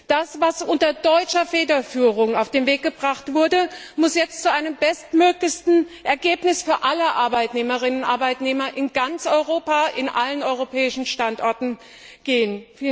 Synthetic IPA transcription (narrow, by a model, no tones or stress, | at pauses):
d̥asvasʔʊntɐdɔʏt͡ʃɐfeːdɐfyːʁ̞ʊŋaʊfd̥eːnveːk̚ɡ̥əbʁaχtv̥ʊɐdəmʊsjɛt͡stt͡suʔaɪnəmbɛstmøːklɪçtn̩ʔɛɐɡeːpnɪsfyːɐʔaləʔaɐbaɪtneːməʁɪnənnʔaɐbaɪtneːmɐʔɪnɡant͡sʔɔʏʁoːpaʔɪnʔalənʔɔʏʁopʰɛːɪʃn̩ʃtantʔɔɐtn̩ | ɡ̥eːənf